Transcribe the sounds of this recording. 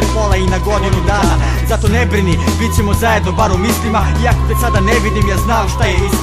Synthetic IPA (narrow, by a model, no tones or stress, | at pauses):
po̞lˠainaɡo̞d̪inud̪aːna | zat̪o̞ne̞bɾinibit̪̚t͡ɕe̞mo̞zaje̞d̪no̞baɾumislima | iakot̪esad̪ane̞ʋid̪imjaznaːmʃt̪ajeis